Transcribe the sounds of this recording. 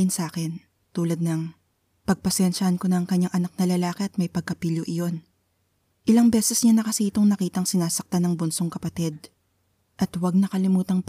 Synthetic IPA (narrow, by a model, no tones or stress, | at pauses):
ɪnsaːkɛn | t̪uːlɐd̪̚nɐŋ | pɐɡ̚pɐsɛnʃɐɐnkonɐɐŋkɐɲːaŋʔɐnak̚nɐlɐlaːkɛʔɐt̪̚mɐjpɐɡ̚kɐpiljoʔɪjo̞n | ʔɪlɐŋbɛːsɛsɲanɐkɐsiːt̪oŋnɐkiːt̪ɐŋsɪnaːsɐk̚t̪anɐŋbʊnsoŋkɐpɐt̪ɛd̪̚ | ʔɐt̪wɐɡ̚nɐkɐlɪmuːt̪ɐŋp